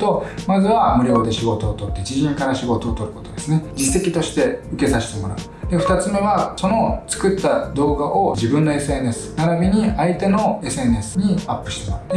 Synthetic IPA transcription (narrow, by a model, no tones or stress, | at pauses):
t̪o̞mazɨβamɯ̟ɾʲjo̞ːd̪e̞ɕiɡo̞t̪o̞ːt̪o̞t̪ːe̞d͡ʑiʑĩŋkaɾaɕiɡo̞t̪o̞ːt̪o̞ɾɯ̟ko̞t̪od̪e̞sɨned͡ʑise̞kʲit̪o̞ɕi̥t̪e̞ɯ̟ke̞saɕi̥t̪e̞mo̞ɾa̰ɯ̟ | d̪e̞ɸɯ̟t̪at͡sɨme̞βaso̞no̞t͡sɨ̥kɯ̟t̪ːad̪o̞ːɡaʔo̞d͡ʑibɯ̟̃nːo̞e̞sɨe̞ne̞sɨ̥naɾabʲiɲ̟iait̪e̞no̞e̞sɨe̞ne̞sɨ̥ɲ̟iapːɯ̟̥ɕi̥t̪ema